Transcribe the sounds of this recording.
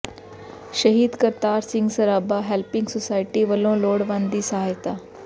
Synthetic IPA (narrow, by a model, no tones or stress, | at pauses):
ʃəɦiːd̪kəɾt̪aːɾsɪ̃ŋɡsɐɾaːbaːɦɛlpɪ̃ŋɡsosaːɪʈiʋəlõːloːɽʋãːnd̪iːsɐɦaːjt̪aː